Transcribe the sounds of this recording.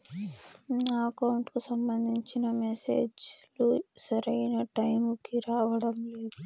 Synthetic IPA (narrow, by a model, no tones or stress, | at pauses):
naːkɐwuɳʈkusɐmbɐnd̪ʱiɲt͡ʃinɐmesḛːd͡ʒlusɐɾɐjnɐʈɐjmukiɾaːʋɐɽɐmle̞ːd̪u